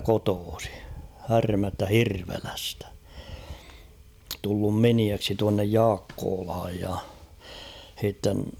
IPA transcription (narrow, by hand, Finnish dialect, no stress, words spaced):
kotoːsi hærmæstæ hirʋelæstæ̥ tulːum miniæksi tuɑnːej jɑːkːoːlhɑj jɑ h̞itːen